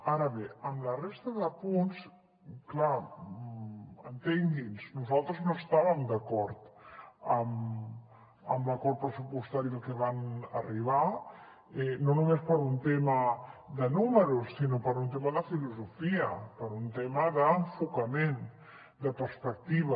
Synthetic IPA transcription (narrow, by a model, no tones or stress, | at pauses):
aɾəβeəmlərest̪əðəpuns | kla | ənt̪eŋɡinznuzalˠt̪ɾəznoəst̪aβəmd̪əkɔɾt̪əm | əmləkɔɾ̚pɾəsupust̪aɾiðəlˠkəβanə̰riβa | ɛnonumespəɾunt̪eməd̪ənuməɾusːinopəɾunt̪eməðəfiluzufiəpəɾunt̪eməðəɱfukəmen | d̪əpəɾspək̚t̪iβə